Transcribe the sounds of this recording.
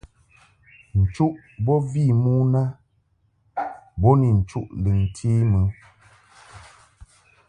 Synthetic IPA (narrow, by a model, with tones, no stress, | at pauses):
n̩˨t͡ʃu˦ʔ | bɔ˦vi˦˨mu˦na˦ | bɔ˦ni˨n̩˨t͡ʃu˦ʔli˨n̩˨tʰi˦mɨ˨˦